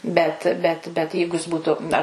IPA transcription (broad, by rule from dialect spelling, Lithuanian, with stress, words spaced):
ˈbʲɛt ˈbʲɛt bʲɛt ˈjɛɪɡʊ jɪs ˈbuːtʊ ɐr